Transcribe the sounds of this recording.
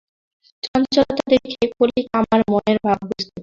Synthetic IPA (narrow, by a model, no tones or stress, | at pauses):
t͡ɕɔnt͡ɕɔlt̪ad̪eɾkʰekoɾikamaɾmɔneɾbʱab̚bust̪ʰe